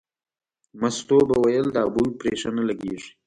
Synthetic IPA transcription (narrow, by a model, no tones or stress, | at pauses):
mast̪obawajəld̪aabujpɾeʂanalaɡeʐi̥